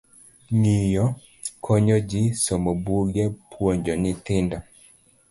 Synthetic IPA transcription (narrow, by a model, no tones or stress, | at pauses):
ŋijɔ | kʰɔɲɔd͡ʒɪsɔmobuɡɛpʰwoɲd͡ʒɔnɪt̪ɪnda